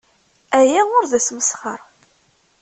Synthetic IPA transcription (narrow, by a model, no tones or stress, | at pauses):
æjæʊɾðæsməsχəɾˤ